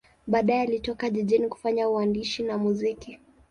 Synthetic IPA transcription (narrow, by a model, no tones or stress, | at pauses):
ɓaːɗaɛalitɔkaʄiʄiniku̥faɲauandiʃinamuziki